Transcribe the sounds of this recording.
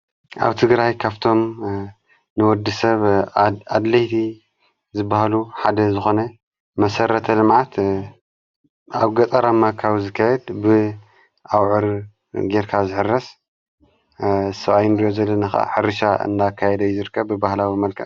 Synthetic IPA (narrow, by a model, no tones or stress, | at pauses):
ʔa̰βt̪ʰɨɡɾajkʰaβt̪ʰo̞m | nɨwɔd̪ːɨsɐβad̪lɐjt̪ʰi | zɨbːahaluħad̪ɐzɨxo̞nɐ | mɐsɐɾɐt̪ʰɐlɨmʕat̪ | ʔaβɡɐt̪ʼɐɾamːakʰawzɨkʰːajɛd̪bɨ | ʔawʕɨɾ | ɡeɾkʰazɨħɨrːɐs | sɐβajɪnd̪ijozɐlːɐnaxaa̰ħɨɾɨʃaɨ̰nd̪akʰːajɛd̪ɐjuzɨɾkʰːɐβbɨbahlawimɐlkʰɐ